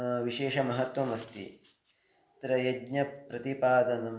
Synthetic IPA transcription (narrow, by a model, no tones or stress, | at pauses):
ʋiʃeːʃɐmɐɦɐt̪ʋɐmɐst̪ḭ | t̪ɾɐjɐɡɲɐpɾɐt̪ipaːd̪ɐnɐm